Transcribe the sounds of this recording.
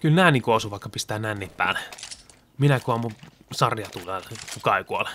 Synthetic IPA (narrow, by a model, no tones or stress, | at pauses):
kylnæːnikoˑːsuːʋɑˑikːɑpist̪æːnænːippæ̰ːn | minækuɑmu | sɑrjɑt̪ulekukɑˑikuol